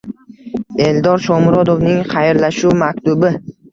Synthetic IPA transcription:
e̞ld̪ɒɾʃɒmɾɒd̪ovnɪŋχɑjɾlaʃumakʲt̪ʊbɪ

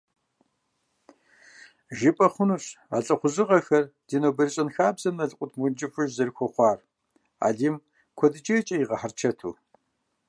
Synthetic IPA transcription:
ʒɪpʼɐχʷʊnuːɕ | a̰ːɬʼɐχʷʊzɨʁɐxɐrd̥iːnobɐrɨɕʼɐnxaːbzɐmnɐɮqʷʼʊtʰmʊnd͡ʒɪfɨʒzɐrxʷɔχʷɑːr | a̰ːɮiːm | kʷʰɔdɨt͡ʃʼɐt͡ʃʼɐjiʁɐħart͡ʃʰɐtʰṵː

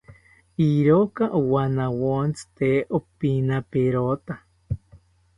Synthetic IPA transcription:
iɾokaʔowanawont͡st̪eopinapeɾot̪a

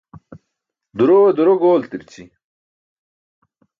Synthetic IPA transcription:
d̪uɾoɐd̪uɾoɡoːlt̪iɾt͡ɕʰi

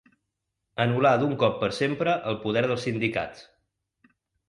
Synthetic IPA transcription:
ənulad̪uŋkɔpːəɾsempɾəʔəlˠpuð̞ɛɾð̞əlˠsind̪ika̰t͡s

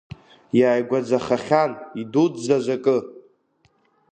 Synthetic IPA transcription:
jaːjɡʷad͡zaχaχʲanidudzazʷakʼɨ

